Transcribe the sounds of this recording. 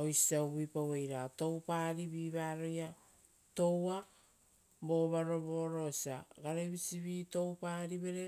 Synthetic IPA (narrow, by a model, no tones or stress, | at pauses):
ojsiaubipawejɾato̞wpaːɾibiːβaːɾo̞ja | to̞wa | bo̞βaɾo̞boɾo̞siaɡaɾeβisiβito̞wpaɾiβe̞ɾe̞